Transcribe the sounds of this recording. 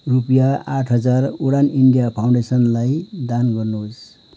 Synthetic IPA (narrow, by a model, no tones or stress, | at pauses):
rupjaaʈʰɦʌd͡zaruɽaniɳɖijapʰawɳɖesʌnlajd̪anɡʌrnoos